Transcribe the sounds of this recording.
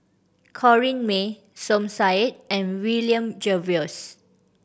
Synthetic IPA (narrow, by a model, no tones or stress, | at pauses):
kʰɔɹĩnme | sɔ̃msajt̚ɛ̃nwiljə̃md͡ʒɛviɔs